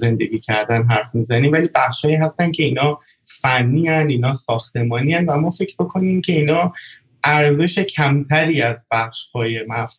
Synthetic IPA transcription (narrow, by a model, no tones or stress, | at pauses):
ze̞nd̪e̞ɡiːcʰæɾd̪ænɦæɾfmizæniːmvæliːbæxʃhɒːiːɦæst̪æn̚cʰe̞iːnɒː | fænːiːænd̪iːnɒːsɒːxt̪e̞mɒːniænvæmɒːfe̞cʰbo̞kʰo̞niːmcʰe̞iːnɒː | ʔæɾze̞ʃe̞cʰæmt̪ʰæɾiːæzbæxʃhɒːje̞mæf